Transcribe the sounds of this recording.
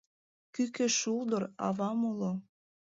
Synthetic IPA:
kykeʃuld̪əɾɑ̰βɑmulo

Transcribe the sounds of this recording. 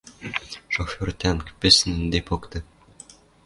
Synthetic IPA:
ʃofʲort̪ænkpʲɘ̆snɘ̆nd̪epokt̪ɤ̆

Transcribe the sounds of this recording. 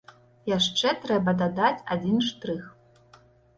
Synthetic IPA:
jaʂt͡ʂɛt̪ɾɛbɐd̪ad̪at͡sʲa̰d͡zʲinʂt̪ɾɨx

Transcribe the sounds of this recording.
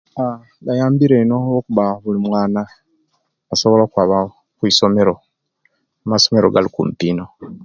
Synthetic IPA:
a | βajaːmbiɾenookuβaβulimwaːna | aso̞βo̞lokwaβa | kwiːso̞me̞ɾo̞ | amaso̞me̞ɾoɡalikṵmpiːno̞

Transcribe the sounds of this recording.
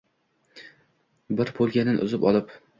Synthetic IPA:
bɪɾbʰolˠɡʲanɪnʔʊ̰zɪpɒ̰lˠɪp

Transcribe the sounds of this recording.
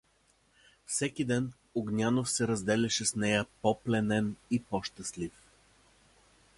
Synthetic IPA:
fsɛkid̪ɛn | oɡnʲanofsɛɾɐzd̪ɛlʲɛʃɛsnɛjəpɔplɛnɛnipɔʃt̪əslif

